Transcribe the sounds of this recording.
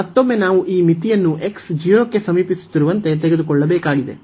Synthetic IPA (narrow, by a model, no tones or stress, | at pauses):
mɐt̪ːomːe̞naːʋuʔiːmit̪ijɐnːuʔe̞ksd͡ʒijoːkːe̞sɐmiːpisu̥t̪ːiɾuʋɐnt̪e̞t̪eɡe̞d̪ukɔɭːɐbeːkaːɡid̪e̞̰